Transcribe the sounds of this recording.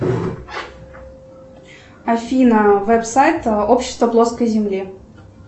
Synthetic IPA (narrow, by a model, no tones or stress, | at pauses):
afʲinəvɛpsajt̪opɕːɪ̥st̪vəblˠoskəjzʲɪmlʲi